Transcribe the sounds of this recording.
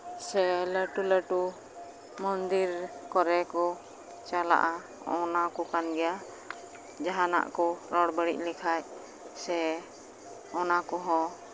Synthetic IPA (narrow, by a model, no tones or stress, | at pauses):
sɛləʈuləʈu | mɔnd̪iɾkɔɾɛkɔ | t͡ʃala̰ʔa | ɔnakɔkanɡɛja | d͡ʒaɦana̰ʔkɔɾɔɽbəɽḭʔ̚lɛkʰaj | sɛ | ɔnakɔɦɔ̃